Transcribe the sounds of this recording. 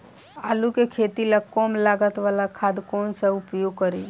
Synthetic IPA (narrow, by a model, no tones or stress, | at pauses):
aːlukekʰeːt̪ilakɔːmlaːɡət̪ʋaːlakʰaːd̪kɔːnsaʊpjoːɡ̚kəɾe